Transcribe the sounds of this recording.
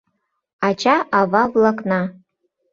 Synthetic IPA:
at͡ʃʰʼaʔavavlakʼna

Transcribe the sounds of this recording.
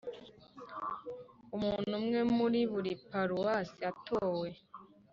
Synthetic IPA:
umuːnnhumŋe̞muɾiβuɾipaɾuwasiatʰoːwe̞

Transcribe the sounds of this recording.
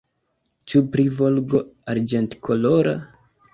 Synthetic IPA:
t͡ʃupɾivolɡoaɾd͡ʒentkʰoloɾa̰

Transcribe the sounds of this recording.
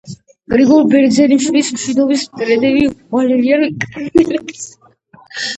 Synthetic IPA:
ɡʼɾiɡɔlbɛɾd̪zɛniʃwilismʃid̪ɔbismk̪ʼɾɛd̪ɛviʁalɛliankʼnɛlɛps

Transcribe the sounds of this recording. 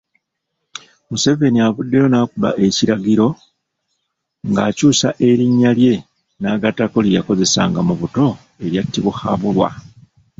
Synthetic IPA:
muse̞ve̞niaβudːe̞jo̞naːkula̰ʔe̞ciɾaɡiɾo̞ | ŋɡaːcuːsaʔe̞ɾiɲːalje̞ | naːɡatako̞lijako̞ze̞sa̰ŋɡamuβuto̞ | e̞ɾjatːiβuxa̰βulwa̰

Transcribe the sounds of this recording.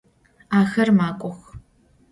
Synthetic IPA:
aːxɐrmaːkʷʼɔx

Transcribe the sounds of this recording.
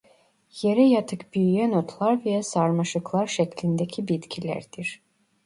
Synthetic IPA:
je̞ɾɛjat̪ʰɯkbyjyjɛnot̪ʰlˠaɾvɛjasaɾmaʃɯklˠaɾʃɛcʰlʲind̪ecʰibit̪cʰilʲæ̰ɾd̪̥iɾ̥

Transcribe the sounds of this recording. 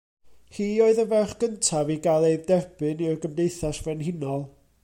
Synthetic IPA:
hiːoɨðəvɛχɡ̥əntʰaviɡalˠejðdɛrb̥ɨnirɡəmdejθasvɛnɦɪnɔlˠ

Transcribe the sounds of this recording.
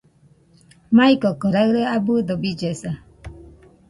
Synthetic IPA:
maikɔkɔɾaɣɾəabud̪ɔbid͡ʒesa

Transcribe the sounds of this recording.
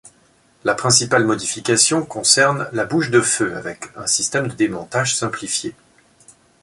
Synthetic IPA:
lapχɛ̃sipalmɔd̪ifikasjɔ̃kɔ̃sɛʁnlabuʃd̪əføa̰vɛkɛ̃sist̪ɛmd̪əd̪emɔ̃t̪aʒsɛ̃plifje

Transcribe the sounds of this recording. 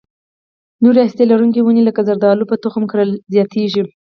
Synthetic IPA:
noɾeast̪elaɾuŋkewunelakazaɾd̪ɑlupət̪ʊxmkɾəlzjɑt̪ʰeʒi

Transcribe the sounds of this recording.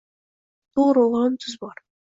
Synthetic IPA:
t̪oɾolˠʁɑnt̪ʰyzbɑɾ

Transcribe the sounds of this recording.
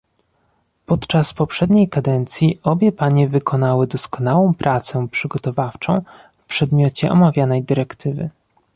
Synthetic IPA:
pɔt̪t͡ʂaspɔpʂɛd̪ɲejkad̪ɛnt̪sʲjiʔɔbʲjɛpaɲɛvɘkʰɔn̪awɘd̪ɔskɔnawɔ̃w̃pɾʔat̪sɛpʂɘɡɔt̪ɔvaft͡ʂɔ̰̃w̃ | fpʂɛd̪mʲjɔt͡ɕɛʔɔmavʲjanɛjd̪ɘɾɛkt̪ʰɘvɘ̰

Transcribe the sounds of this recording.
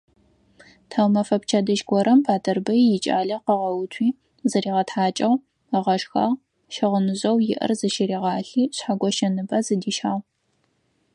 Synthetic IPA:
tʰawmɐfɐpt͡ʃʰɐdɐʒɡʷɔɾɐmbʰaːdʰɐrbɐjjɪt͡ʃʼa̰ːɮɐqəʁɐwʊtʷʰiː | zɐɾiːʁɐtħaːt͡ʃʼɐw | əʁɐʂxɐ̰ʁ | ʃɪʁənɨʑɐwjɪ̰ʔɐ̰rzɨʃɪɾiːʁɑːɬiːɕħaɡʷɔʃɐnɨpʼɐzɨdiːʃħaːʁ

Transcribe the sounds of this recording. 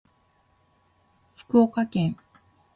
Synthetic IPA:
ɸɯ̥kɯokakẽŋ

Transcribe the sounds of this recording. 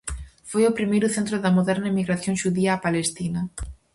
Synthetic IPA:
fojʊpɾimejɾʊθẽnt̪ɾʊðɐmoðɛɾnɐemiɣɾaθjõŋʃuðiaːpalest̪inɐ

